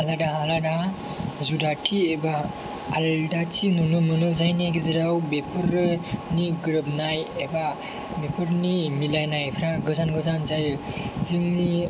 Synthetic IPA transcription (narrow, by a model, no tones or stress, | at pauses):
aladaɦalada | zudatʰiebaː | ldatʰinunɯmɯnɯzajnaɡɯziɾawbepʰɯɾniɡɯɾɯb̚najeba | bepʰɯɾnimilajnajpʰɾaɡɯzanɡɯzanzajɯzɯŋni